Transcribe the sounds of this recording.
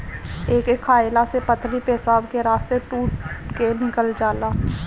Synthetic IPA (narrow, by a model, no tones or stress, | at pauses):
eːkekʰːaːjlasepət̪ʰɾipeɦsaːbkeɾaːst̪eʈuːʈkenɪkəld͡ʒaːlaː